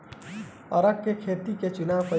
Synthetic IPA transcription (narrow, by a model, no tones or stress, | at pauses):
ɐɾəkːekʰeːt̪iket͡ʃʊnaːʋpɐ